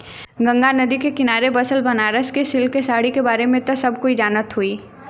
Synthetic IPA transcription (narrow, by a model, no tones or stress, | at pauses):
ɡə̃ŋɡanəd̪ikekɪnaːɾebəsəlbənaːɾəskesɪlkesaːɽikebaːɾemẽt̪ɐsɐbʱkoid͡ʒaːnət̪ɦuiː